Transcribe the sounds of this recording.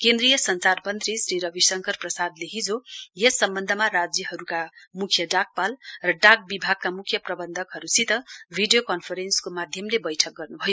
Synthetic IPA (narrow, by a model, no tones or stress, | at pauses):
kend̪rijʌsʌnt͡sarmʌnt̪risriɾʌbisʌŋkʌrprʌsad̪leɦid͡zojesʌmbʌnd̪ʱʌmarad͡zjʌɦʌɾukamukʰjʌɖak̚palrʌɖaɡ̚bibʱaɡ̚kːamukʰjʌprʌbʌnd̪ʱʌkɦʌɾusit̪ʌbʱiɖijokʌnpʰʌɾenskomad̪ʱjʌmlebʌjʈʰʌk̚ɡʌrnubʱʌjo